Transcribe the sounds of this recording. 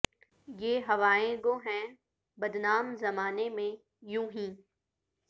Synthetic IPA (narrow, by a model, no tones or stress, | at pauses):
jeːɦɐʋaːẽɡ̪oːɦɛ̃ | bɐd̪naːmzɐmaːnemẽ | jũːɦĩː